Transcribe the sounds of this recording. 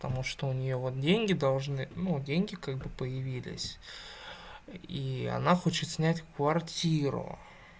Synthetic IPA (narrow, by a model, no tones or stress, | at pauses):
pət̪ɐmuʂt̪oʊnʲɪjovot̪̚dʲenʲɡʲɪd̪ɐlˠʐnɨnudʲenʲɡʲɪkaɡ̚bɨpəjɪvʲilʲɪ̰sʲ | iɐ̰naxo̞t͡ɕɪt̪sʲnʲætʲkvɐrtʲiɾʊ̰